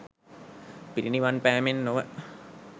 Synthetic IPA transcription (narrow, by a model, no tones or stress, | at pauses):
piɾiniʋanpɛːmenːoʋə